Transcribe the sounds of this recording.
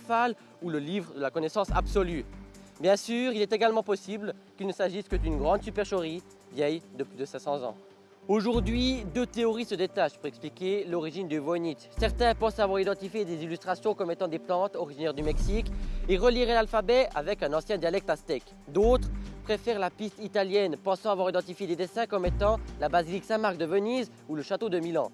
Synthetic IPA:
fal | uləlivʁəd̪əlakɔnɛsɑ̃sa̰bsɔlybjɛ̃syʁilɛt̪eɡalmɑ̃pɔsiblkʲilnəsaʒiskəd̪ynɡʁɑ̃d̪sypɛʁʃɔʁi | vjɛjd̪əplyd̪əsɛ̃sɑ̃zɑ̰̃ | oʒuʁd̪ɥid̪øt̪eɔʁisəd̪et̪aʃpuʁɛksplikʲelɔʁiʒind̪yvɔnit̪sɛʁt̪ɛ̃pɑ̃savwaʁid̪ɑ̃t̪ifjed̪ezilyst̪χasjɔ̃kɔmet̪ɑ̃d̪eplɑ̃t̪ɔʁiʒinɛʁd̪ymɛksikeʁəliʁɛlalfabɛa̰vɛkɛ̃nɑ̃sjɛ̃d̪jalɛk̚t̪ast̪ɛk | d̪ot̪χpχefɛʁlapist̪it̪aljɛnpɑ̃sɑ̃avwaʁid̪ɑ̃t̪ifjed̪ed̪esɛ̃kɔmet̪ɑ̃labaziliksãmaʁk̚d̪əvəniz | uləʃat̪od̪əmilɑ̃

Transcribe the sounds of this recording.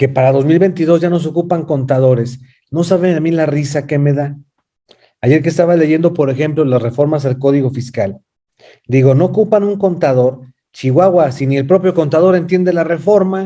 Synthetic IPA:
ke̞paɾaðo̞zmilβe̞jnt̪iðo̞zʝano̞s̬eo̞kupaŋko̞nt̪aðo̞ɾe̞s | no̞saβeamilarisake̞me̞ða | aʝe̞ɾke̞st̪aβale̞ʝe̞nd̪o̞po̞ɾe̞xe̞mplo̞lasre̞fo̞ɾmas̬alko̞ðiɣo̞fiskal | d̪iɣo̞no̞ːkupanuŋko̞nt̪aðo̞ɾ | t͡ʃiɣwaɣwasinielpɾo̞pjo̞ko̞nt̪að̞oɾe̞nt̪je̞nd̪elare̞fo̞ɾma

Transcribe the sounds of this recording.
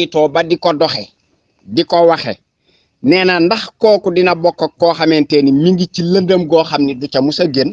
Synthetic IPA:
itɔːbadikɔdɔxe | dikɔwaxḛ | nɛːnandaxkɔːkudinabɔkːokːɔːxamenteːnimiŋɡiciləndəmɡoːxamnidut͡ʃamusɐɡen

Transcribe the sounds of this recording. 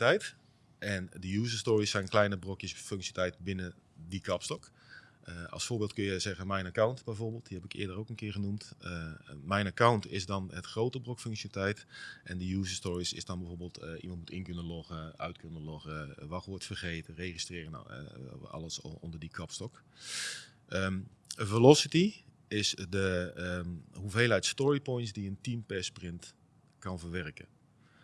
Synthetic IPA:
tɛjt | ʔɛndəjuːzəstɔɹisːɛjnklɛjnəbrokjəsføŋksjətɛjtbɪnədikɑpstɔk | əɑ̰lˠsfoːɹbɪːlˠt̚kønjəzɛɣənmɛjnakawntbɛjvoːɹbɪːlˠt̚diɦɛpɪkːdərowkənkɪːɹχənumt | mɛjnakawntɪzdɑnətχrowtəbrokføŋksjətɛjtʔɛndəjuːzəstɔɹisɪ̰zdɑnbɛjvoːɹbeːlˠtʔḭmɑntmutɪnkønəlɔχəœ̰ɥtkønəlɔɣəʋɑxoːtfərχeːtəreːχistrɪːrəna̰ɑ̰ləsɔ̰ndərdikʰɔpstɔk | ə | əvəlɔsiti | ɪsdə | ɦuveːlˠɦɛjtstɔɹipɔjntsdiəntimpɛsprɪnt | kɑnvərʋɛrkə̰

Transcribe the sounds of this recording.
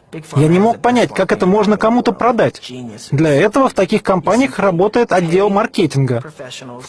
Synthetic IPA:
janʲɪmo̞k̚pɐnʲætʲkakɛt̪əmo̞ʐnəkɐmut̪əpɾɐd̪atʲd̪lʲɐɛt̪əvəft̪ɐkʲixkɐmpanʲɪjəxrɐbo̞t̪əjɪt̪ɐdʲːe̞lˠmɐrkʲetʲɪnɡə

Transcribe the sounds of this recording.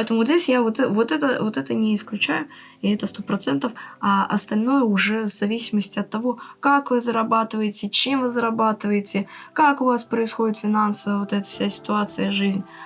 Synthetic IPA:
pɛt̪əmʊzʲdʲesʲjavot̪ɛvo̞t̪ɛt̪əvo̞t̪ɛt̪ənʲɪɪsklʲʉt͡ɕæjʊ | ɪɛt̪əst̪o̞pɾɐt̪sɛnt̪əfɐɐ̰st̪ɐlʲno̞jəʊʐɛvzɐvʲisʲɪməsʲtʲɪɐt̪ːɐvo̞kakvɨzəɾɐbat̪ɨvəjɪtʲɪt͡ɕemvɨzəɾɐbat̪ɨvəjɪtʲɪ | kakʊvaspɾəɪsxo̞dʲɪt̪fʲɪnansəvəvot̪ɛt̪ə̥fsʲasʲɪ̥t̪ʊat̪sɨjəʐɨzʲnʲ

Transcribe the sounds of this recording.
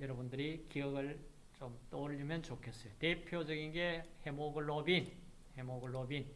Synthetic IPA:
jʌɾʌbundɯɾikiʌɡɯɭ | t͡ɕomt͈oʎːimjʌnt͡ɕokʰe̞s͈ʌjotepʰjod͡ʑʌɡinɡe̞hemoɡɯɭːʌbin | hemoɡɯɭːʌbin

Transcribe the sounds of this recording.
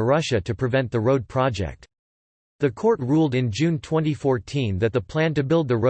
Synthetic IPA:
ɹʌʃɨɾɨpʰɹ̥ɨvɛ̃nðəɹoʊd̚pʰɹ̥ɑd͡ʒɛ̰k̚t̚ | ðɨkʰɔɹt̚ɹulˠdɨ̃nd͡ʒʉ̃ntʰw̥ɛ̃ñifɔɹtʰĩnðɨt̪̚ðəpʰl̥æ̃ntɨbɪlˠd̪̚ðɨo

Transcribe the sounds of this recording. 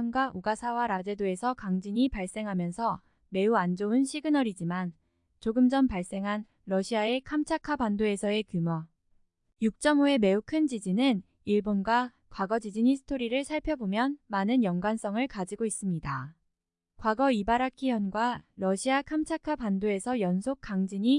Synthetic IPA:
nɡwaʔoɡasʰawaɾad͡ʑe̞doe̞sʰʌkaŋd͡ʑiɲipaɭs͈e̞ŋɦamjʌnsʰʌ | me̞uand͡ʑounɕʰiɡɯnʌɾid͡ʑiman | t͡ɕoɡɯmd͡ʑʌmpaɭs͈e̞ŋɦan | ɾʌɕʰiae̞kʰamt͡ɕʰakʰapandoe̞sʰʌe̞kjumʌ | juk̚t͡ɕ͈ʌmoe̞me̞ukʰɯnd͡ʑid͡ʑinɯn | iɭbonɡwa | kwaɡʌd͡ʑid͡ʑiɲisʰɯ̥tʰoɾiɾɯɭsʰaɭpʰjʌbomjʌnmanɯnjʌŋɡwans͈ʌŋɯɭkad͡ʑiɡois͈ɯmɲida | kwaɡʌibaɾakʰijʌnɡwaɾʌɕʰiakʰamt͡ɕʰakʰapandoe̞sʰʌjʌnsʰok͈ʰaŋd͡ʑiɲi

